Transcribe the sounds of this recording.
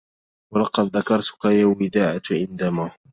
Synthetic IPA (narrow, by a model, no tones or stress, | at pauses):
wɑlɑqɑd̪ðakɑɾˤt̪ʊ̥kajaːwɪd̪aːʕat̪ʕɪnd̪amaː